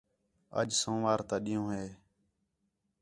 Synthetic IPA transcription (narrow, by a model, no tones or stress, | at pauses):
ə̰d͡ʒsõːʋaːɾt̪ãːɗɪjõːɦeː